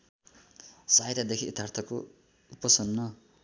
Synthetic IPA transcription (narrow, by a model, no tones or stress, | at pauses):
sajɾad̪ekʰiit̪ʰːart̪ʰʌko | upʌsʌnːʌ